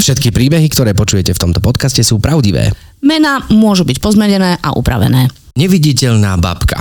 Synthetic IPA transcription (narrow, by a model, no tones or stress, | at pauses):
fʃɛt̪kipɾiːbɛɦikt̪ɔɾɛːpɔt͡ʃujɛcɛft̪ɔmt̪ɔpɔt̪kascɛsuːpɾaʊɟiʋɛ̰ː | mɛnamʊɔʒubicpɔzmɛɲɛnɛːʔaʔṵpɾa̰ʋɛ̰nɛː | ɲɛʋiɟicɛʎnaːba̰pka̰